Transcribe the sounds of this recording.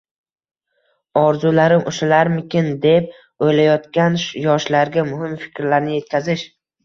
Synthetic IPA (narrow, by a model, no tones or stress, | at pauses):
ɒɾzulaɾɪmʔʊʃalaɾmɪkʲɪnd̪e̞p̚ | ojlajɒt̪kʲanʃjɒʃlaɾɡʲamʊɦɪmfɪ̥kʲɾlaɾnɪje̞t̪̚kʲʰazɪʃ